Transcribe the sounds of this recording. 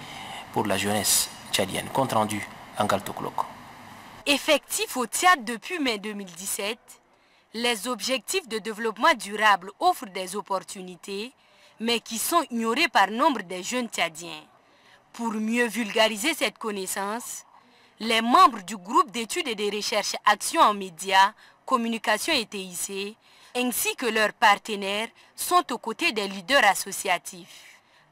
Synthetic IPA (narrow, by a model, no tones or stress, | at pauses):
puʁlaʒønɛs | t͡ʃad̪jɛ̰nkɔ̃t̪ʁɑ̃d̪yɑ̃ɡalt̪oklɔ̰k | efɛk̚t̪ifot̪ijat̪d̪əpɥimɛd̪ømild̪isɛt̪ | lɛzɔbʒɛk̚t̪ifd̪əd̪evlɔpmɑ̃d̪yʁablɔfɾd̪ɛzopɔʁt̪ynit̪ʰe | mɛkʲisɔ̃iɲoʁepaʁnɔ̃bʁd̪ɛʒønt̪ad̪jɛ̃ | puʁmjøvylɡaʁizesɛt̪kɔnɛsɑ̃s | lɛmɑ̃bʁd̪yɡʁup̚d̪et̪yd̪ed̪ɛʁəʃɛʁʃaksjɔ̃ɑ̃med̪ja | kɔmynikasjɔ̃et̪eise | ɛ̃sikəlœʁpaʁt̪ənɛʁ | sɔ̃t̪okot̪ed̪ɛlid̪œʁasosiat̪ʰif